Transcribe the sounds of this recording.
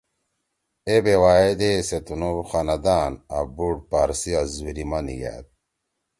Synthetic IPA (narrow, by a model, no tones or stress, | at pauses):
ebewaːed̪eset̪unuxanɐd̪aːna̰buɽpaɾsiazuɾimanḭja̰t̪̚